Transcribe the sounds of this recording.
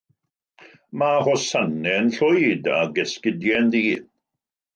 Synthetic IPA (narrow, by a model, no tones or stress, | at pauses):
mahɔsanɛnɬʊjda̰ɡɛskɪdjɛnðiː